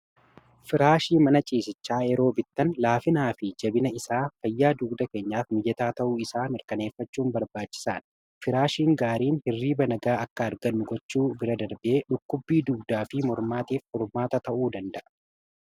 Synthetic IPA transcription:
fɪɾaːʃiːmɐnɐt͡ʃʼiːsɪt͡ʃːaːjɛɾo̞ːbɪt̪ːɐnlaːfɪnaːfɪd͡ʒɐbɪnɐɪsaːfɐjːaːd̪uːɡd̪ɐke̞ːɲːaːfmɪjɛt̪aːt̪ɐʔuːɪsaːmɪɾkɐne̞ːfːɐt͡ʃːuːnbɐɾbaːt͡ʃːɪ̥saːn | fɪɾaːʃiːŋɡaːɾiːnhɪrːiːbɐnɐɡaːɐkːɐɐɾɡɐnːʊɡɔt͡ʃːuːbɪɾɐd̪ɐɾbɪʔe̞ːᶑʊkːʊbːiːd̪uːɡd̪aːfɪmɔɾmaːt̪iːfhɔɾmaːt̪ɐt̪ɐʔuːd̪ɐnd̪ɐʔɐ̥

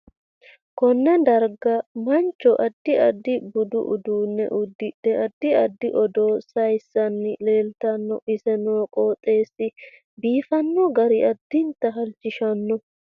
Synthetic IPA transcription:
kɔnːɛd̪ɐɾɡɐmɐnt͡ʃːɔʔɐd̪ːɪɐd̪ːɪbʊd̪ʊ̰ʔʊ̰d̪uːnːɛ̰ʔʊd̪ːɪᶑɛʔɐd̪ːɪɐd̪ːɪʔɔd̪oːsɐjsːɐnːɪle̞ːlt̪ɐnːɔʔɪsɛnoːkʼoːt̪ʼːe̞ːsːɪ | biːfɐnːɔɡɐɾɪʔɐd̪ːɪnt̪ːɐɦɐlt͡ʃːɪʃɐnːɔ

